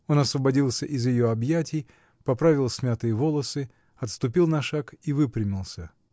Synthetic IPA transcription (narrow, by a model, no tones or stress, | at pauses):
o̞nɐsvəbɐdʲilˠsʲəʔɪzjɪjo̞ɐbjætʲɪj | pɐpɾavʲɪlˠsʲmʲat̪ɨjəvolˠəsɨ | ɐt̪st̪ʊpʲilˠnɐʂakivɨpɾʲɪmʲɪlˠsʲə